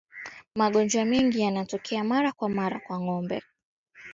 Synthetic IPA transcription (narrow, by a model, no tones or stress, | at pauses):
maɠɔnd͡ʒwamɛŋɡijanatɔkʰɛamaɾakwamaɾakwaŋɔmbɛ̰